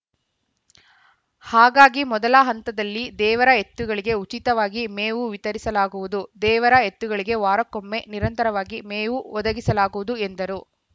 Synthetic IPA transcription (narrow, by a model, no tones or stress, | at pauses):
haːɡaːɡimɔd̪ɐlɐɦɐnt̪ɐd̪ɐlːid̪ɛːʋɐɾɐe̞t̪ːuɡɐɭiɡe̞ut͡ʃit̪ɐʋaːɡimeːʋuʋit̪ɐɾisɐlaːɡuʋud̪ud̪ɛːʋɐɾɐet̪ːuɡɐɭiɡe̞ʋaːɾɐkomːe̞niɾɐnt̪ɐɾɐʋaːɡimeːʋuɔd̪ɐɡisɐlaːɡuʋud̪uend̪ɐɾu